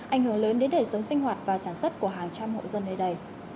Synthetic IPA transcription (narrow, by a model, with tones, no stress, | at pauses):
ʔa˧˩jŋ̟hɨ˧˩əŋləː˨˦nɗe˨˦nɗə˨˩jsə˨˦wŋ͡msï˧ŋ̟ɦwaː˨˩t̚vaː˨˩saː˧˩nswə˦˥t̚ku˧˩əɦaː˨˩ŋt͡ɕa˧mho̰˧˨zə˧nːə˧˩ɗə˧˩j